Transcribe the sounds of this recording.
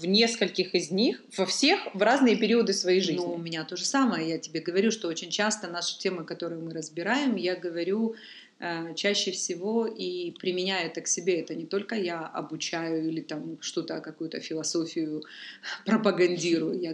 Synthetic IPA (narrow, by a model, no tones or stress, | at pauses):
vnʲe̞skəlʲkʲɪxɪzʲnʲixv̥ɐfsʲexvraznɨjəpʲɪɾʲiəd̪ɨsvɐjejʐɨznuʊmʲɪnʲat̪o̞ʐɨsaməjəjatʲɪbʲe̞ɡəvɐɾʲuʂt̪oot͡ɕɪnʲt͡ɕast̪ənaʂɨ̥tʲe̞mɨkɐt̪o̞ɾɨjmɨɾəzbʲɪɾajɪmjaɡəvɐɾʲu | ət͡ɕæɕːɪfsʲɪvo̞ipɾʲɪmʲɪnʲajɛt̪əksʲɪbʲeɛt̪ənʲɪt̪o̞lʲkəjaɐ̰bʊt͡ɕæjʊilʲɪt̪amʂt̪ot̪əkɐkujʊt̪əfʲɪlˠɐso̞fʲɪjʊpɾəpəɡɐnʲdʲiɾʊjʊja